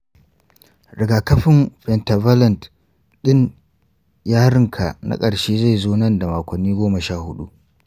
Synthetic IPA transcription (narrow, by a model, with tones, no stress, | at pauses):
ɾɪ˨ɡaː˨kɐ˦ɸɪ˦mɸɛ˨nta˨va˦lɐ˨nt | ɗɪ˦n | jaː˦ɽɪ˦ŋkʰa̰˨nʔa̰˦kʼɐ˨ɽʃeː˦za˦˨jzoː˦nɐ˦˨nda˨maː˨kʷɐ˨nːiː˦ɡʷoː˦mɐ˨ʃaː˦˨hʊ˦ɗu˦ʔ